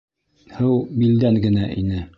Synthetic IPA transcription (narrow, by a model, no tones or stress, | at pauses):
hɤwbild̪æŋɡɘ̆næʔinɘ